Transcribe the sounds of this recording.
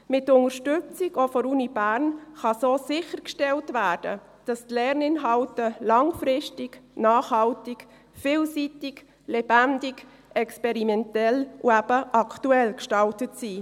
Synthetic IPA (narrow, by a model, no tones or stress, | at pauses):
mɪtːʊŋəɾʃtʏt͡sɪɡofɔɾuːnibæːɾnχɑsoːsɪχəɾkʃtɛltvæːɾd̥ə̰ | d̥ɑstlɛɾnɪnɦɑltəlɑŋfɾɪʃtɪɡnɑːχhɑltɪk | fɪːlsitɪɡ | lɛb̥ændɪɡ | ɛkspɛɾimɛntɛlʔuæb̥əʔɑkʰtuɛlkʃtɑltətsiː